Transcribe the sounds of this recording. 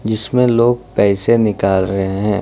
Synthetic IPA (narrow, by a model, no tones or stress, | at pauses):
d͡ʒɪsmẽloːɡ̚pɛːsenɪkaːlɾɐɦeɦɛ̃ː